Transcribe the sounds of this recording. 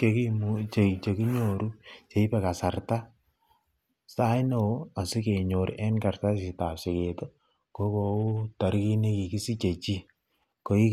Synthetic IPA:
ke˨ki˦mu˨t͡ʃe˨t͡ʃe˨ki˦ɲo˨ɾu˦t͡ʃe˨i˦pɛ˨ka˨sa˨rta˦ | sa˦jno˨˦a˨si˦ke˨ɲo˨ɾ̰ʔɛ˦nka˨rta˦si˨ta˨pse˨ke˨to˦ | ko˦ko˨u˦ta˨ɾki˦ne˦ki˨ki˦si˦t͡ʃe˨t͡ʃi˦ | ko˨i˦

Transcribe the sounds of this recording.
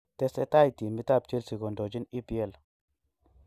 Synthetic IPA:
t̪e˦sɛ˦t̪a˦jt̪i˨mi˦t̪a˦˨b̚t͡ʃe˦lsi˨ɡo˨ndo˨d͡ʒi˦ni˦pi˨ɛ˦˨l

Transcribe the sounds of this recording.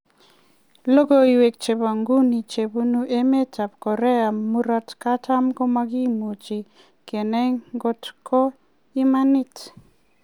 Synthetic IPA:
lo˦ɡo˦i˨we˨k̚t͡ʃe˨ba˨ŋɡu˦ni˨t͡ʃe˨bu˦nu˦ʔe˦me˦ta˨pkɔ˨ɾɛ˦a˨mu˦ɾa˦tka˦ta˦mko˦ma˦ɡi˦mu˨t͡ʃi˨ | ke˨nɛ˦ŋɡo˦tkʰɔ˦ | i˦ma˦nɪ˦t

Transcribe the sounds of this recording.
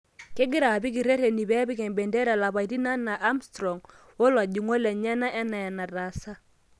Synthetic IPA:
ke˦ɡɪ˦ɾa˨pi˦kɪ˨ɾɛ˦ɾe˨ni˨βɛ˦bi˦kɛ˨mbɛ˨ndɛ˦ɾɛ˨la˨βa˨i˨ti˦na˦na˨ʔa˦mstɾɔ˨ŋ | wo˦lwa˨d͡ʒu˨ŋo˦lɛ˨ɲɛ˦na˦ʔɛ˦na˨ja˨na˨ɾa˨sa˦

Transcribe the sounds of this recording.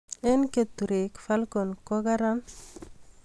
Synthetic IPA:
e˦nke˨t̪ːu˨ɾe˨kfa˦lko˨nko˦ɡaɾa˦n

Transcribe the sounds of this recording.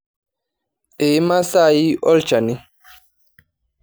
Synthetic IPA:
ʔɛ˨˦ma˦sa˦˨ji˦ʔɔ˦lt͡ʃa˨ni˦

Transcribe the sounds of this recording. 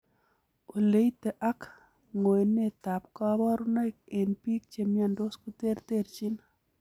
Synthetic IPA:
o˨le˦it̪e˨ʔa˦k | ŋo˨e˨ne˦˨t̪a˨pka˦βa˦ɾu˦na˦jk̚e˨npi˦k̚t͡ʃe˦mja˦˨ndo˦sko˦t̪e˦ɾt̪e˦˨ɾt͡ʃi˦n

